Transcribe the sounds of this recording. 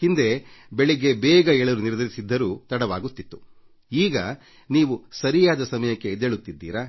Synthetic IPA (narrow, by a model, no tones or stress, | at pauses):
hind̪e̞beɭiɡe̞bɛːɡɐɛɭɐɾuniɾd̪ɐɾisid̪ːɐɾuːt̪ɐɽɐʋaːɡut̪ːit̪ːu̥ | iːɡɐ | niːʋusɐɾijaːd̪ɐsɐmɐjɐkːe̞ːd̪eɭut̪ːid̪ːḭːɾɐ